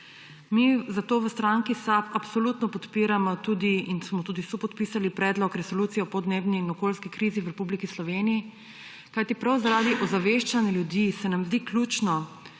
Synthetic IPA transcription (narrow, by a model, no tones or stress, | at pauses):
mizat̪oːʋəst̪ɾaŋkisapapsɔluːt̪nɔpɔt̪piːɾamɔt̪ud̪iinsmɔt̪uːd̪isupɔt̪̚piːsalipɾɛːd̪lɔkɾɛsɔluːt̪sijɛpɔd̪neːbniːnɔkoːlskikɾiːziwɾɛpublikislɔʋeːniji | kajt̪ipɾawzaɾaːd̪iʔɔzaʋeʃt͡ʃanjɛljud̪isɛnamzd̪iːklʲuːt͡ʃnɔ